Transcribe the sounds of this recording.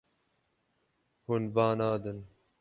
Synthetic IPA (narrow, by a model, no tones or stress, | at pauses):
hunbaːnaːd̪ən